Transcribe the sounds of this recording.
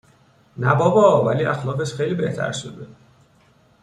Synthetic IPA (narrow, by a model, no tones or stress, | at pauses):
næbɒːbɒːvæliːʔæxlɒːɣeʃxejliːbe̞ht̪ʰæ̰ɾʃod̪e